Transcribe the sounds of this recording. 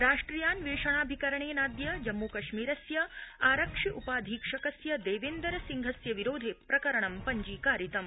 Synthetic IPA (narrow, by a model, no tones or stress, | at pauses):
ɾaːʂʈɾiːjaːnʋeːʂɐɳaːbʱikɐɾɐɳeːnaːd̪jɐd͡ʒɐmːukɐʃmiːɾɐsjɐaːɾɐkʂiʔupaːd̪ʱiːkʂɐkɐsjɐd̪eːʋeːnd̪ɐɾɐsiŋɡʱɐsjɐʋiɾoːd̪ʱeːpɾɐkɐɾɐɳɐmpɐɲd͡ʒiːkaːɾit̪ɐm